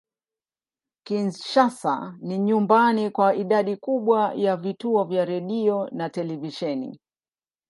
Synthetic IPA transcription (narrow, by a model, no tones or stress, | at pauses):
kinʃasa̰niɲumbanikwaiɗaɗikuɓwajavituɔvjaɾɛɗiɔnatɛlɛviʃɛnḭ